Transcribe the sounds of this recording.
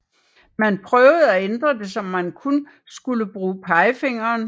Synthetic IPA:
mænpʰʁœʊð̩ˠæend̥ʁɐd̥e̝sɒ̽mːænkʰun | sɡ̥uləb̥ʁuːpʰɑ̈ɪfeŋ̰ɐːn

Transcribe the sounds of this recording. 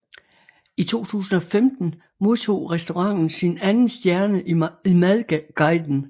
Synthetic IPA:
it͡sʰo̝̰ːt͡sʰṵːs̬n̩ɒ̽femd̥n̩ | mo̝ð̞ˠt͡sʰo̝̰ːʁɛsd̥o̝ʁɑ̈ŋ̰n̩sinænn̩sd̥jæɐnəʔimæðˠɡ̥ɑ̈ɪd̥n̩

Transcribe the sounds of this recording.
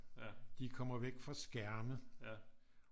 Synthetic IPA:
d̥ikʰɒ̽m̰ɐʋeɡ̥fʁɑ̈sɡ̥æɐmə

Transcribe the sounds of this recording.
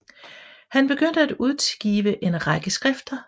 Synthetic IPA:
hænb̥e̝ɡ̥øn̰d̥əæd̥uð̞ˠsɡ̥ḭːʋəʔe̝nʁɑ̈ɡ̥əsɡ̥ʁɛfd̥ɐ

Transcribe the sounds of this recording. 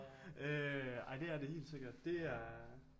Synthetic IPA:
ʔøɑ̈ɪ̰d̥e̝æɐde̝he̝̰ːld̥se̝ɡ̥ɐd̥d̥e̝æɐ

